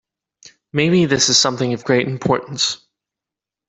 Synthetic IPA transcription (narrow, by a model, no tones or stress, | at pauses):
meɪbiðɪsɨz̥sʌ̃mθɪ̃ŋʌvɡɹeɪɾ̃m̩pʰɔɹʔn̩s